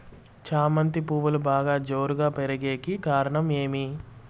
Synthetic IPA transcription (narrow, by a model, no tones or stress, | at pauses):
t͡ʃaːmɐnt̪ipuːʋɐlubaːɡaːd͡ʒoːɾuɡaːpeɾɐɡeːkikaːɾɐɳɐme̞ːmi